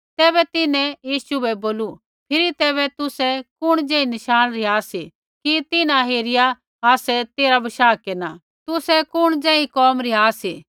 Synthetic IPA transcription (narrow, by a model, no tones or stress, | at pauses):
t̪ɛːβɛt̪ɪnɛ̃jiːsuɛboːlu | pʰɪɾit̪ɛːβɛt̪ʊsɛkʊɽ̃d͡ʒɛ̃ːĩnɐʃaːnɾɪɦaːsi | kit̪ɪnãɦeːɾɪja | aːsɛt̪eːɾabɐʃaːkeːna | t̪ʊsɛkʊɽ̃d͡ʒɛ̃ːĩkɔːmɾɪɦaːsi